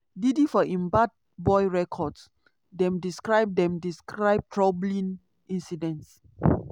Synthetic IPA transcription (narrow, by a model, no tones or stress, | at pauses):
didifɔʔĩmbat̚ | bɔjɹɛkʰɔds | dɛ̃mdiskɹaɪb̚dɛ̃mdiskɹaɪb̚tʰɹɔblĩn | ĩnsidɛ̃nts